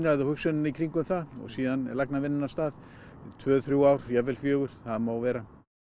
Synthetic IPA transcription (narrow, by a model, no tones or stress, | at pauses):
naðawhʏksʏnɪnikʰɾiŋkʏmθaɔ̰ɣsiːðanlaknavɪnːɪnast̪aːð | t̪ʰvœːθɾjuaːwɾ̥jɛvɛlfjœːɣʏɾ̥θaðmaːwvɛːɾa